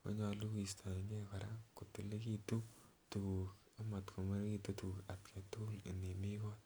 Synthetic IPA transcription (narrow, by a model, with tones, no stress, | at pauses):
ko̰˦ɲɔ˧lu˦ki˨stʰa˨ɲɛ˦kɔ˨ɾa˦ko˨tu˨le˦ki˦tu˦tu˨ku˨k | a˦ma˨tkʰo˨ma˦ɾki˦tu˦tu˨ka˨tkʰe˨tule˨ne˨mi˦kɔ˦